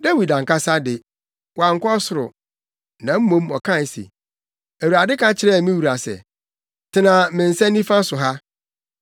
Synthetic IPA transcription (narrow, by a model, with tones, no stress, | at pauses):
da˦wi˨dã˨ŋ˨ka˦sa˦dɪ˨ | wa˨ŋ̩˨˦kɔ˦sʊ˨ɾʊ̰˨ | nã˨m̩˦mõ˦mɔ˨kʰã˦˨n˦sḛ˨ | æ˨wu˨ɾa˨dɪ˦kʰã˦t͡ɕʰɪ˨˦ɾɛ˦˨mĩ˦wu˨ɾa˨sɛ̰˨ | tʰɪ˨nã˨mɪ̃˨n̩˨sɛ̃˦n˦ĩ˦fã˦sʊ˨ɦa˦